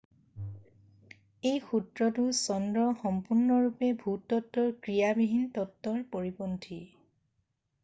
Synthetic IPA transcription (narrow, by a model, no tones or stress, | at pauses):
ejxutɹɔtʊsɔndɹɔxɔmpuɹnɔɹupɛbʱutːɔtːɔɹkɹijabiɦintɔtːɔɹpoɹipɔntʰi